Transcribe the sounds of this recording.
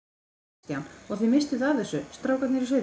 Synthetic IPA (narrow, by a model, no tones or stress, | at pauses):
t̪jawnɔɣθimɪst̪ʏθavθɛsːʏst̪ɾaːwkat̪nɪɾis̬œ